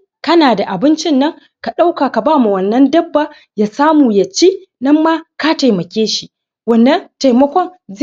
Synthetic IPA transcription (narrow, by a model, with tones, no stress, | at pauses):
kɐ˦naː˨da˨ʔa˨bɪ˦nt͡ʃɪ˦nːɐ˦ŋ | ka˨ɗa˦wkaː˨ka˨baː˦mu˨wɐ˨nːɐ˦ndɐ˦bːa˨ | jaː˨saː˦muː˨ja˨t͡ʃe˦nɐ˦mːaː˦ka˦ta˨jmɐ˨kʲeː˦ʃi˦ | wɐ˨nːɐ˦nta˨jmɐ˦kʷɔ˦nz